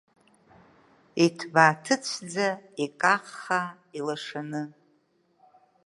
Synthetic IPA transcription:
itʰbaːtʰɨt͡ɕʷʰd͡zaikʼaqːa | ilaʂanɨ

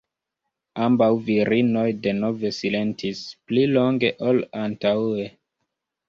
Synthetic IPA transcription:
ambawviɾʔino̞jde̞no̞ve̞sile̞ntʰisplilo̞ŋɡe̞ʔolantawe̞

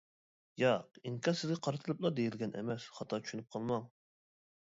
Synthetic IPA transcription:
jɑqiŋkʰʲɑɾsɪzɡʲɛqʰɑɾɨt̪ʰɨlˠɨplˠɑd̪ejilɡʲɛnʔɛ̰mɛsχɑt̪ʰɑt͡ʃʰyʃynyp̚qʰɑlˠmɑŋ

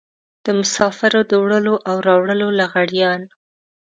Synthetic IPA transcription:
d̪̥əmʊsɑfɪɾod̪əwɽəloʔawɾɑwɽəlolaɣaɽjɑn

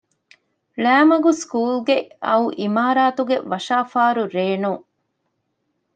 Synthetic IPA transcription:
læːmɐɡuskuːlɡeɐ̰uʔimaːɾaːt̪uɡeʋɐʃaːfaːɾuɾeːnu

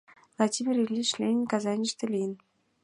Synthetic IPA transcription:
lˠɑdʲimʲirilʲːiʃlʲenʲkɑzɑnʲiʃt̪ɘ̆lʲijən

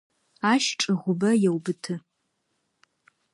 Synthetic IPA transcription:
aʃʈ͡ʂʼɨʁʷʊbɐjewbɨtʰɨ

